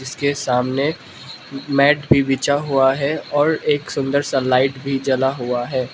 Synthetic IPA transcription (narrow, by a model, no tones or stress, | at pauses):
d͡ʒɪskesaːmne | mɛːʈbʱibɪt͡ʃaɦuaɦɛɔːɾeːksʊ̃nd̪əɾsalaːɪʈbʱid͡ʒɐlaɦuaɦɛː